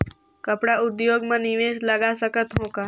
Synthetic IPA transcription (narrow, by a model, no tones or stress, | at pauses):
kɐpɽaʊd̪joːɡmẽnɪʋeːslɐɡasəkət̪ɦõkaː